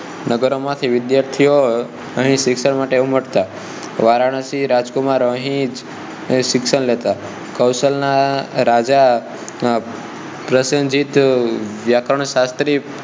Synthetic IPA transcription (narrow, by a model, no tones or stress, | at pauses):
nəɡəɾomãt̪ʰiʋɪd̪jaɾt̪ʰijo | əɦĩʃɪksəɳmaʈeuməʈt̪a | ʋaɾaɽ̃əsiɾad͡ʒkumaɾəɦĩd͡ʒ | ʃɪksəɳlet̪a | kəwsəlnaɾad͡ʒa | pɾəsənd͡ʒit̪ʋjakɾəɳ̃ʃast̪ɾi